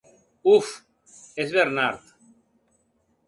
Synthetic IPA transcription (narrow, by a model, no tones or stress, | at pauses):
uf | esβeɾnaɾð